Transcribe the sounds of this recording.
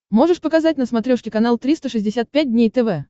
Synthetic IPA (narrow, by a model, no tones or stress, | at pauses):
mo̞ʐɨʂpəkɐzatʲnəsmɐt̪ɾʲoʂkʲɪkɐnalˠt̪ɾʲist̪əʂɨzʲdʲɪsʲat̪̚pʲæt̚ʲdʲnʲejt̪ɛvɛ